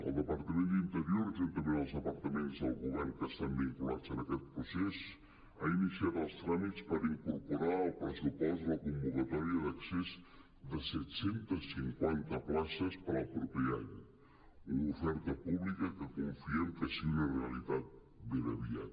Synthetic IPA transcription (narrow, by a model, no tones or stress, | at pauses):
ə̰lˠd̪əpəɾt̪əmẽnd̪int̪əɾioɾzənt̪əmbeðəlˠzəpəɾt̪əmenzðəlˠɣuβɛɾŋkəst̪ambiŋkulazənəkɛt̪̚pɾusez | ainisiat̪əlˠst̪ɾamit̪spəɾiŋkuɾpuɾaəlˠpɾəsupɔst̪ləkumbukət̪ɔɾiəðəksez | d̪əsɛt̪sent̪əssiŋkwant̪əplasəspəɾəlˠpɾɔpɛa̰ɲ | unufɛɾt̪əpuβlikəkəkuɱfiəŋkəsiunəreəlit̪at̪̚ | beɾəβia̰t̪